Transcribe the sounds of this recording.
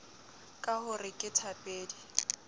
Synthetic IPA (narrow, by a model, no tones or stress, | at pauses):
kʼahʊrɪkʼɪtʰapʼeːdi